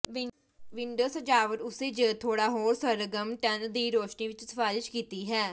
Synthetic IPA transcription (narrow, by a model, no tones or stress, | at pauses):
ʋɪ | ʋɪɳɖəːsəd͡ʒaːʋəɾʊseːd͡ʒət̪ʰoːɽaːɦoːɾsəɾəɡəmʈənd̪iːɾoːʃniːʋɪt͡ʃsəpaːɾɪʃkiːt̪iːɦɛː